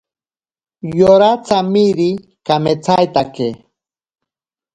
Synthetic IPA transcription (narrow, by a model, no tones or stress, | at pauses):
joɾat͡samiɾi | kamet͡sajt̪ake